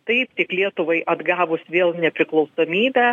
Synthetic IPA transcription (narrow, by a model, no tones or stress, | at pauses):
t̪ɐɪpt̪ʲɪklʲiɛt̪ʊʋɐɪʔɐd̪ɡɑːʋʊsʋʲeːlˠnʲɛpʲɾʲɪklˠɐʊsoːmʲiːbʲæ